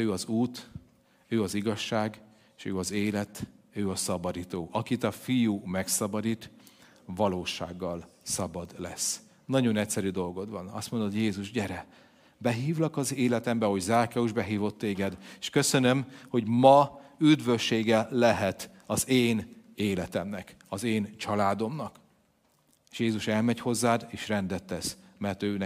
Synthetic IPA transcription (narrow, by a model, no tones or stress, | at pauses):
øːɒzuːt̪ | øːɒziɡɒʃːaːɡ | eːʃøːɒzeːlɛt̪ | øːɒsɒbɒd̪it̪oːʔɒkit̪ɒfijumɛksɒbɒd̪it̪ | vɒloːʃa̰ːɡːɒlsɒbɒd̪lɛ̰s | nɒɟo̞nɛcʲsɛɾyd̪o̞lɡo̞d̪ʋɒnɒ̰st̪mo̞nd̪ojeːzuʒɟɛɾɛ | bɛɦiːvlɒkɒzeːlɛt̪ɛmbɛho̞ɟzaːkɛuʒbɛɦiːvo̞t̪ːeːɡɛd̪eːʃkø̞sønømho̞ɟmɒyd̪vø̞ʃːeːɡɛːɛɦɛt̪ | ɒzeːneːlɛt̪ɛmnɛk | ɒzeːnt͡ʃɒlaːd̪o̞mnɒk | eːʃjeːzuʃɛlmɛɟho̞zːaːd̪eːʃrɛnd̪ɛt̪ːɛsmɛrt̪øːnɛ